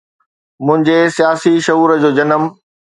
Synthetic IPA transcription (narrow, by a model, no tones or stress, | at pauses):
mʊ̃ɦɪ̃ɲd͡ʑesijaːsiʃɐɦuːɾd͡ʑoːd͡ʑɐnəm